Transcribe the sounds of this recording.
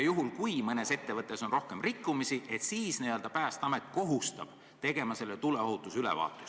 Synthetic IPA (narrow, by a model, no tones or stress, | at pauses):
ɑjuɦulkujmɤne̞se̞t̪ːe̞vɤt̪ˑːe̞so̞nro̞hke̞mrikˑːumisiʔe̞t̪siːsniøld̪ɑpæːst̪ɑme̞t̪̚ːˑko̞ɦust̪ɑ̰b̥ | t̪e̞ɡ̥e̞mɑse̞lːet̪ule̞oɦut̪ːˑusylḛvɑ̰ːt̪ːˑus